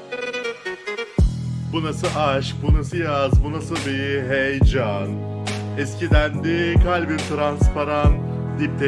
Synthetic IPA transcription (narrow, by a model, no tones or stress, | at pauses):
bunasɯʔaʃbunasɯjazbunasɯbiɦejd͡ʒan | ɛscid̪ænd̪ikʰalʲbiɾt̪ʰɾanspaɾan | d̪ip̚t̪ʰe